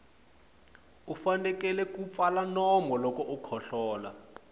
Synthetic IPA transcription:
ufandɛkɛlɛkup̪falanɔmɔlɔkɔʔukʰɔɬɔːla̰

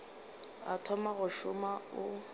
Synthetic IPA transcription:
a̰tʰɔmaɣʊʃʊmaʊ

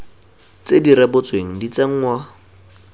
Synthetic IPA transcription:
t͡sediɾɛbʊt͡sweŋ̩dit͡seŋ̩ŋwa

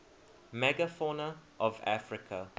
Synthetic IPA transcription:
mɛɡafɔnəʔɔva̰fɹɪkʰa

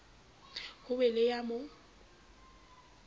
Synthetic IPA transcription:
hʊbɛlejamo

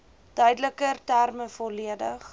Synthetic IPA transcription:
d̥œɥdələkərtærməfɔliədəχ

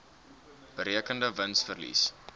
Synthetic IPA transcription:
b̥əɾiəkəndəvənsfərlḭs

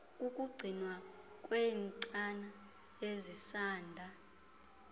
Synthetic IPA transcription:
kʼukʼuɡ͡ǀʱinwakʼwenǀʼana | jezisaːndʱa

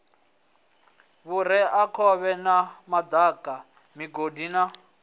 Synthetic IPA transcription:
βuɾ̤ɛʔakʰɔβɛnamad̪akʼa | miɡodina

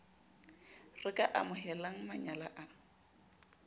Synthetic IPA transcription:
rɪkʼaʔamʊɦɛlaŋ̩maɲala̰ʔa

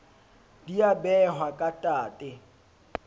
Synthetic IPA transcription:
diabɛɦwakʼatʼaːtʼɪ

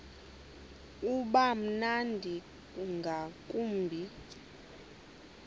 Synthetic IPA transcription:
uɓam̩nandʱi | ŋɡʱakʼuːmbʱi

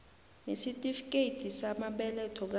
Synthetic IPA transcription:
nesitʼifik̬ʼeitʰisamaɓɛlɛtʰɔk̬a

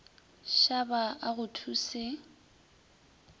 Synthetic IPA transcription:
ʃabaaɣʊtʰusɪ

